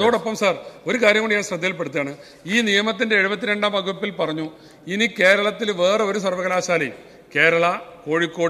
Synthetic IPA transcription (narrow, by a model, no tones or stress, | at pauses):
ɐðoːɽo̞pːɐmsaːro̞ɾukaːɾjɐmɡoɳiɲaːɳɕrɐd̪ʱijɐlp̬e̞ɽut̪ːijaːɳɨ | iːnijɐmɐt̪̬ːinde̞eɻubɐt̪ːiɾe̞ɳɖaːmɐɡuʋɐpːilpɐrɐɲːu | inike̞ːɾɐɭɐt̪ːilʋe̞ːreo̞ɾusɐrʋɐɣɐlaːɕaːlḭjm | ke̞ːɾɐɭɐko̞ːɻikːo̞ːɽ